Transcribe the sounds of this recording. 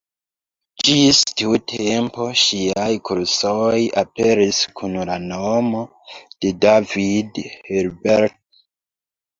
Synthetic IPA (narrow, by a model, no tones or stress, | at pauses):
d͡ʒistiutʰe̞mpo̞ʃiajkuɾsojape̞ɾiskʰunlanomo̞ | d̥e̞davidheɾbeɾt̚